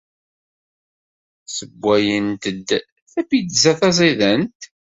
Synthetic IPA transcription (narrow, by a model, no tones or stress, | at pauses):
səbʷːæjənt̪əd̪ | θæbid̪zæθɑzˤiðænt̪